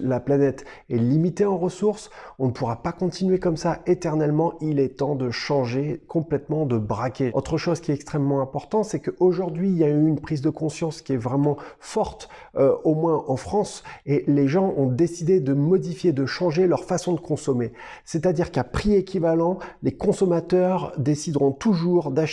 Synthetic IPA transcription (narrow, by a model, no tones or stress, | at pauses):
laplanɛt̪ | ɛlimit̪eɑ̃ʁəsuʁsɔ̃nəpʰuʁapakɔ̃t̪inɥekɔmsaet̪ɛʁnɛlmɑ̃ʔilɛt̪ɑ̃d̪əʃɑ̃ʒekɔ̃plɛt̪mɑ̃d̪əbʁakʲeot̪χəʃozkʲiɛt̪ɛkst̪χɛmːɑ̃ɛ̃pɔʁt̪ɑ̃t̪sɛkəʔoʒuʁd̪ɥiljayynpχizd̪əkɔ̃sjɑ̃skʲiɛvʁɛmɑ̃fɔʁt̪ | øomwɛ̃ʔɑ̃fχɑ̃seleʒɑ̃ɔ̃d̪esid̪ed̪əmɔd̪ifjed̪əʃɑ̃ʒelœʁfasɔ̃d̪əkɔ̃sɔme | sɛt̪ad̪iʁkapχiekʲivalɑ̃lekɔ̃sɔmat̪œʁd̪esid̪ʁɔ̃t̪uʒuʁd̪aʃ